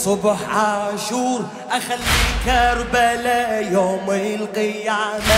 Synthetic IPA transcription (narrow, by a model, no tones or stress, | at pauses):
sˤʊbħʕaʃuːɾ | ʔaxalːiːkaɾˤbalajoːmɪlqɪjːaːma